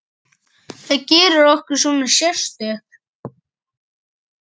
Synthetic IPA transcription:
θaðcɛːɾʏɾɔhkʏɾ̥suːnḁsjɛst̪ʏk

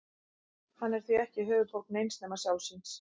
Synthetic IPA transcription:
hanːɛɾ̥θviɛhcɪɦœːvʏt̪fowlknejnsnɛːmasjawlsɪns

